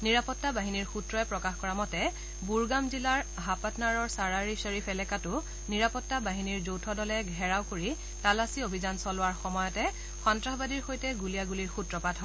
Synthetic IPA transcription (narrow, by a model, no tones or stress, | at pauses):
niɹapɔtːabaɦiniɹxutɹɔɛpɹɔkaxkɔɹamɔtɛ | buɹɡamzilaɹ | ɦapatnaɹɔɹsaɹaɹiseɹipʰɛlɛkatʊ | niɹapɔtːabaɦiniɹzowtʰɔdɔlɛɡʱɛɹawkoɹi | talasiobʱizansɔlʊwaɹxɔmɔjɔtɛ | xɔntɹaxbadiɹxojtɛɡulijaɡuliɹxutɹɔpatʰɦɔ